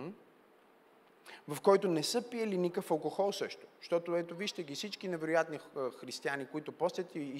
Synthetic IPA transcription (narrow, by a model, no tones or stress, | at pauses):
vɐfkɔjt̪onɛsɤpijəlinikəfɐlˠkoxɔlˠsɤʃt̪o̥ʃt̪ɔt̪oɛt̪oviʃt̪ɛɡʲifsit͡ʃkinɛvɛɾʊjat̪nixɾist̪ianikoit̪ʊpɔst̪ʲət̪iː